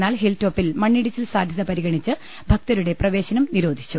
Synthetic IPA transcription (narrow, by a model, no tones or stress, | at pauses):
nːaːlɦeltːo̞ːpːilmɐɳːiɽit͡ɕːilsaːd̪ʱjɐðɐpɐɾiɣɐɳit͡ɕːɨ | bʱɐk̚t̪ɐɾuɽe̞prɐʋe̞ːɕɐnɐmniɾo̞ːd̪ʱit͡ɕːu